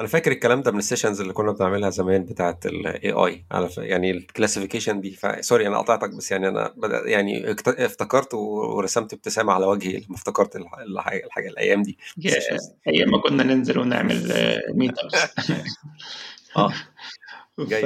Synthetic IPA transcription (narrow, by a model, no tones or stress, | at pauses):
ʔænæfæːkeɾekːælæːmd̪æbmenesːeːʃænzelːiːkonːæbeneʕmelhæzæmæːnbet̪aːʕet̪ḛlʔḛːʔɑ̰ːjʕa̰læfja̰ʕnilklæsifikeʃænd̪iːfæ̰sˤɑɾiʔænæʔɑ̰t̪ˤɑʕt̪ɑk̚bæsːjaʕniʔæ̰næ̰bæd̪æ̰jaʕnḭt̪æeft̪ækɑɾˤt̪wewḛɾˤɑsæmt̪eb̚t̪esæːmaʕalæwæɡhḭlːimæft̪ækɑɾˤt̪elelħa̰ːɡælħa̰ːɡælʔæ̰jːæːmd̪iːjææʔejːæmækonːænenzelwenḛʕmḛlmiːt̪ɑb | ʔæː | ɡæjː